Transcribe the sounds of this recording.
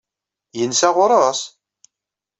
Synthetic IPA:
jənsæʁʊɾˤəs

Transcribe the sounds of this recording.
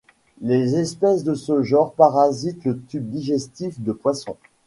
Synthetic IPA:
lezɛspɛsd̪əsəʒɔ̃ʁpaʁazit̪lət̪yb̚d̪iʒɛst̪ifd̪əpwasɔ̰̃

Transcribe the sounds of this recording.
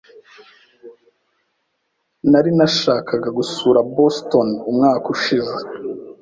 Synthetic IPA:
naɾinaʃaːkʰaɡaɡusuːɾabostonumŋaːkuʃize

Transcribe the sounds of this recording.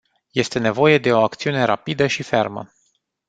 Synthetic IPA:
je̞st̪e̞ne̞vo̞jed̪e̞o̞akt̪siune̞ɾa̰pid̪əʃife̞rmə̰

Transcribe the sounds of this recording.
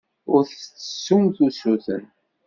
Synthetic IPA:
ʊɾθt͡sːə̥sːumθusuθə̰n

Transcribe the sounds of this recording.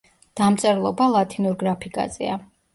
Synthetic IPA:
d̪̥amt̪sʼɛɾlˠɔbalˠat̪ʰinuɾɡɾapʰikʼa̰zɛ̰a

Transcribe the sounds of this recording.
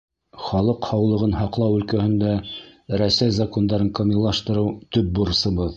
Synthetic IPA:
χɑlˠɤqhɑwlˠɤ̆ʁɤnhɑqlˠɑwɵ̆lkæhɘ̆nd̪æɾæsæjzɐko̞nd̪ɑɾɤkomʲilːˠɑʃt̪ɤ̆ɾɤwt̪ɵp̚buɾɤ̆sɤ̆βɤð

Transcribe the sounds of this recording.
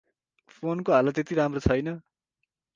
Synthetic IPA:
pʰonkoɦalat̪et̪iɾamrot͡sʰʌjnʌ

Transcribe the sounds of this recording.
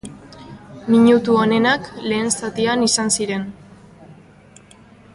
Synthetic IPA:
miɲut̪uone̞nakle̞ːnsat̪ianisansiɾe̞n

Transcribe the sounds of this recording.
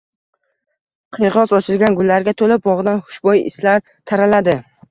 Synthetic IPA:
qʰɨjʁɒzɒt͡ʃʰɪlɡʲanɡʊlːaɾɡʲat̪ʰolɪp̚bɒʁɨd̪anhʊ̥ʃbɒjɪ̰slaɾ | t̪ʰaɾalad̪ɪ

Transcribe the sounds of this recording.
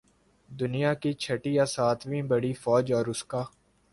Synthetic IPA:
d̪ʊnijakit͡ʃʰɐʈijasaːt̪ʰbʱibɐɽifɔːd͡ʒɔːɾʊskaː

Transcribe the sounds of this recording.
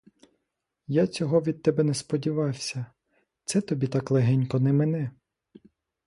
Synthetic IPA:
jat͡sʲɔɦɔʋʲid̪̚t̪ɛbɛnɛspɔdʲiʋɑwsʲɐ | t̪sɛt̪ɔbʲit̪ɑklˠeɦɛnʲkɔnɛmenɛ

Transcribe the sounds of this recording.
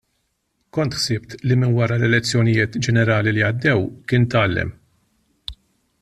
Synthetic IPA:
kɔnt̪ħsɪbt̪limɪnwɐɾɐlɛlɛt͡sːjɔnɪjɪːt̪d͡ʒɛnɛɾɐːliliɐd̪ːɛwkɪːnt̪ɐːlːɛ̰m

